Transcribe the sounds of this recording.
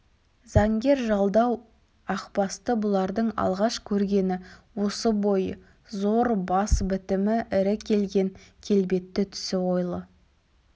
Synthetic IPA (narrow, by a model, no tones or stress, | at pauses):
z̥ɑŋɡʲe̞ɾʒɑlˠd̪ɑw | ɑqpɑst̪əbʊlˠɑɾd̪əɴɑ̰lˠʁɑʃkʲʰɵɾɡʲe̞nɪwo̞səbo̞jə | zo̞ɾbɑsbɪt̪ɪmɪʔɪɾɪkʲʰe̞lɡʲe̞ŋkʲʰe̞lbe̞t̪ːɪt̪ʰʏ̥sɪwo̞jlˠə